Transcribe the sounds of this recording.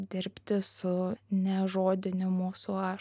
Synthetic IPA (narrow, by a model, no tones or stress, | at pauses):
d̪ʲɪɾʲpʲt̪ʲɪsʊnʲɛʒoːd̪ʲɪnʲʊmuːsuɑː